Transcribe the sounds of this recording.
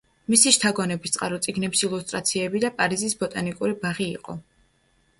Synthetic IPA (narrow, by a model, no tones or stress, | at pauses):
misiʃt̪ʰaɡɔnɛbist̪sʼqʼaɾɔt̪sʼiɡnɛpsilˠust̪ʼɾat̪sʰiɛbid̪apʼaɾizisbɔt̪ʼanikʼuɾibaʁḭːqʼɔ̰